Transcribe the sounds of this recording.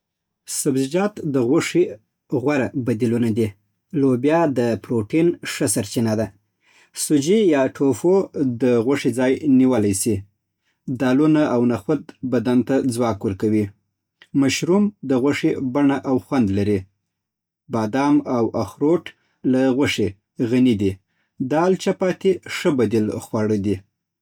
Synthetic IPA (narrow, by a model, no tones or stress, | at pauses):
sabzɪd͡ʒɑt̪d̪əɣwaʂi | ɣwaɾabad̪ilunad̪i | lobjɑd̪əpɾoʈinʂəsaɾt͡ʃinad̪a | sʊd͡ʒijɑʈʰofod̪əɣaʂid͡zɑjniwəlajsi | d̪ɑlunaʔawnaxwad̪bad̪ant̪ad͡zwɑkwəɾkawi | maʃɾumd̪əɣwaʂebaɳaʔawxwand̪laɾi | bɑd̪ɑmawʔaxɾoʈ | laɣwaʂe | ɣanid̪i | d̪ɑlt͡ʃapɑt̪eʂəbad̪ilxwaɽəd̪i